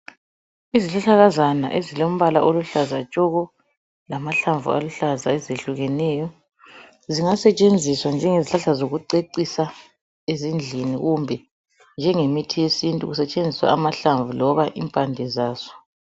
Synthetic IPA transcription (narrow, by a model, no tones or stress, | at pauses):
iziɬaɬaɣazana̰ʔezilom̩βalaʔoluɬazat͡ʃʼɔɣɔ | lamaɬaɱvṵa̰luɬazaɛzeɬuɣɛnɛjɔ | ziŋasɛt͡ʃʼend͡zʱiswand͡ʒʱɛŋeziɬaɬazoɣuǀeǀisa | ezind͡ɮʱiniɣumbʱɛ | nd͡ʒʱɛŋemitʰijesintʼṵɣusɛt͡ʃʼend͡zʱiswa̰ːmaɬaɱvulɔβaʔḭmpʼandʱɛzaːz̥ɔ̥